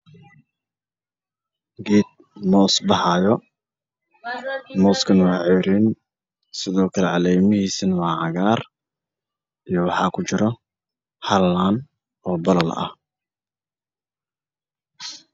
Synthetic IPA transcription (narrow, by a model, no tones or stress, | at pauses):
ɡiːd̪̚ | mɔːsbɑħɑːjɔ | mɔːskʰɐnwɑʕɛjɾin | sɪðɔːkʰɐlɛʕɑlɛjmɪɦiːsɐnwɑːʕɑɣaːr | ijɞwɑħɑ̰ːkʰʊt͡ʃɪɾɔ | hɐlːaːn | ɔːbɐlɐlɐ̰h